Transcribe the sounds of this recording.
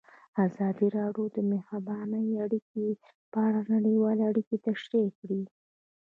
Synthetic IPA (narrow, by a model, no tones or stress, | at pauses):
azɑd̪iɾɑɖjod̪əmehabɑnəjaɽike | pəaɽanaɽəwɑleaɽiket̪aʃɾekɽi